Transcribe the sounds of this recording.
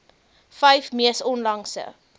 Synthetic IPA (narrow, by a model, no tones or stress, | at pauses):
fɐjfmiəsɔnlɐŋsə̰